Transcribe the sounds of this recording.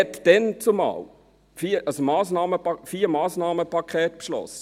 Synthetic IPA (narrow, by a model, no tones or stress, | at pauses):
ɛt̪d̥ɛnt͡sumɑ̰ːl | fiːʔəsmɑːsnɑːməɑfiːɾmɑːsnɑːməpɑkʰχɛːt̚pʃlɔ̰sə̥